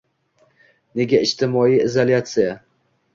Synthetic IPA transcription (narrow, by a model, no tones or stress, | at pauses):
ne̞ɡʲaɪd͡ʒt̪ʰɪmɒiɪzolʲat̪sɨja